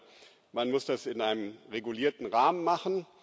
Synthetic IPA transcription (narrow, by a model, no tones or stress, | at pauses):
manmʊsd̥asɪnʔaɪnəmʁeɡuliːɐtn̩ʁaːmənmaχn̩